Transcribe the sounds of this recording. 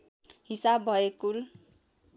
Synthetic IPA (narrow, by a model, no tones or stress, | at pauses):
ɦisabːʱʌekul